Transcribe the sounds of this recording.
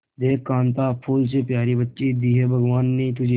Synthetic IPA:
d̪eːkkːãːnt̪aːpʰuːls̬epjaːɾibətːʃid̪iːɦebʱɐɡʋaːnːĩːt̪ʊd͡ʒʱi

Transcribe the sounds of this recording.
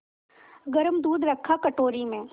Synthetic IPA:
ɡɐɾəmd̪uːd̪ɾɐkʰːakɐʈoːɾimẽː

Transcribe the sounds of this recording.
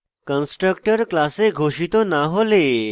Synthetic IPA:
kənsʈɾək̚ʈəɾklaseɡʱoɕit̪onaɦole

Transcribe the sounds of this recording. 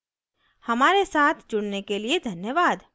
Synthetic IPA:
hɐmaːɾesaːt̪ʰd͡ʒʊɽnekelied̪ʱɐnjəʋaːd̪

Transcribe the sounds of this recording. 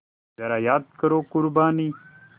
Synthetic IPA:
d̪ɐɾajaːd̪̚kɐɾoːkʊɾbaːni

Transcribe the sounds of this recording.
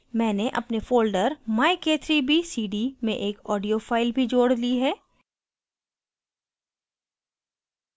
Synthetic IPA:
mɛ̃ːneʔɐ̰pnefoːlɖəɾmaːekeːt̪ʰɾibʱisiːɖimẽʔeːkɔːɖijofaːɪlbʱid͡ʒoːɽliɦɛː

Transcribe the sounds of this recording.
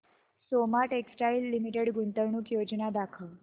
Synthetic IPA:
somaʈeksʈailːimiʈeɽɡunt̪əɾɳuːkjod͡ʒnad̪akʰəl

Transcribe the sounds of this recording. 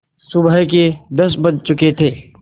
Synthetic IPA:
sʊbəɦk̬ed̪ɐsbət͡ʃt͡ʃʊket̪ʰeː

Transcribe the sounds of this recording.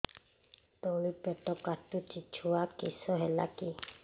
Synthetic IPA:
t̪ɔlipɛt̪ɔkat̪ut͡ʃit͡ʃʰuakisɔɦɛla̰ki

